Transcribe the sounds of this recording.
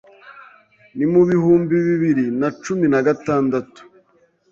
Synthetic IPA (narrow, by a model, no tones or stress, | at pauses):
nimuβihuːmbiβiβiɾinat͡ʃuminaɡataːndatu̥